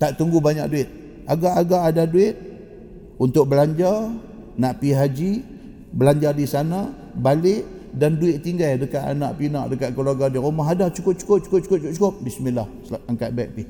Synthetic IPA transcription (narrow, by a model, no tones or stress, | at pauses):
t̪aʔt̪uŋɡubaɲa̰k̚duɪt̪̚ | aɡaʔaɡaʔadaduɪt̪̚ | unt̪ʊk̚bəlaɲd͡ʒar | naʔpiɦad͡ʒi | bəlaɲd͡ʒardisana | balɪʔ | danduɪt̪̚ːiŋɡajdəkaʔ̪a̰na̰ʔpinaʔdəkaʔ̪̚kəluaɡadiɾumaɦadaht͡ʃukʊp̚t͡ʃu̥kʊp̚t͡ʃu̥kʊp̚t͡ʃu̥kʊp̚t͡ʃʊp̚t͡ʃukʊp̚bismilah | aŋkat̪̚baɛk̚pi